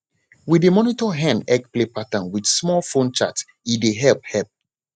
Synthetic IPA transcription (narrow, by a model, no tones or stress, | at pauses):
widemɔnitɔɦɛ̃nɛkplepatãnwidsmɔlfõnt͡ʃat | ideɦɛlp̚hɛlp̚